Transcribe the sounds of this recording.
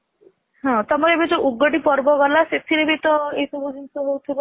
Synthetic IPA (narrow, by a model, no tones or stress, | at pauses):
ɦɔ̃t̪ɔmɔɾebed͡ʒoʔuɡːɔɖipɔɾbɔɡɔlaset̪ʰiɾebit̪ɔesubud͡ʒinsuɦowt̪ʰibɔ